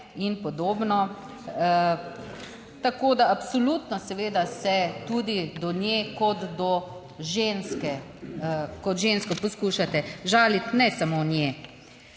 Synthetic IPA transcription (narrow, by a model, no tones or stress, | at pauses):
inpɔd̪oːbnɔ | t̪akod̪aapsolut̪nɔsɛʋeːd̪asɛt̪ud̪id̪ɔnjekɔd̪d̪ɔ | ʒenskɛ | kɔt̪ʒenskɔpɔskuːʃat̪ɛʒaːlit̪nɛsamonje